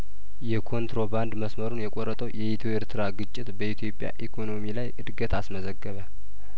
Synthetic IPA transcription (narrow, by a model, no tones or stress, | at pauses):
jɛkʰo̞nt̪ɾo̞band̪məsməɾunjɛkʼoɾːət̪ʼəwjɛit̪ʰoeɾt̪ʰɨɾaɡɨt͡ʃʼːɪt̪bəit̪ʰjo̞pʼja̰ʔikʰo̞no̞milajʔɨd̪ɡət̪ʰasməzəɡːəβə